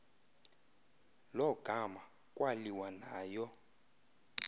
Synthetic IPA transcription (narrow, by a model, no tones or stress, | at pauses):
lɔɡ̥ʱama | kʼwaliwanaːjɔ